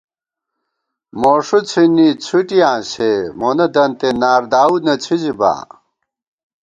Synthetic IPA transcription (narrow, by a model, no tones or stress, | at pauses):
moːʂut͡sʰinit͡sʰuʈijãːɕemonɐd̪ɐnt̪enaːɾd̪aːud̪nɐt͡sʰiziba̰ː